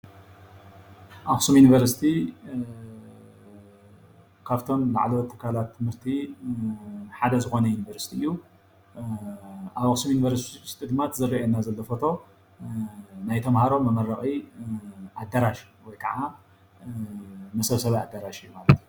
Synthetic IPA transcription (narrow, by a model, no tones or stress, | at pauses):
ʔaxʼɨsumjunivɐɾsi̥t̪ʰi | kʰaβt̪ʰo̞mla̰ʕlwɔt̪ʰːɨ̥kʰːalat̪ʰːɨmhɨɾt̪ʰi | ħad̪ɐzɨxo̞nɐjunivɐɾsi̥t̪ʰiɨjːu | ʔaβakʼsumjunivɐɾsist̪ʼɨd̪mat̪zɨrːɐʔenːazɐlːɐfot̪ʰo̞ | najt̪ʰɐmhaɾo̞mːɐmɐɾɐxʼi | ʔad̪ːaɾaʃ | wɔjkʰɐʕa | mɐsɐβsɐβa̰d̪ːaɾaʃɨjːumalɐt̪iju